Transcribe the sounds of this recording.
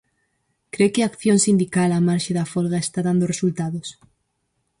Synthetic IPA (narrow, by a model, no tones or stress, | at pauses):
kɾekɪakθjõnsind̪ikalamaɾʃeðafolɣaest̪aðand̪oresult̪aðos